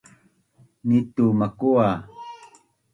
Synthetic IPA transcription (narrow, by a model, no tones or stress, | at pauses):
nit̪umakua